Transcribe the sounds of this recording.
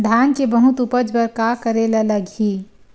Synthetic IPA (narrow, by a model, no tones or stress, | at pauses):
d̪ʱaːnkebəɦʊt̪upəd͡ʒbəɾkakəɾelələɡɦiː